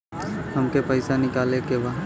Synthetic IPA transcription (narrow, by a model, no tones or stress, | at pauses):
hɐmkepɐɪsanɪkaːlekebaː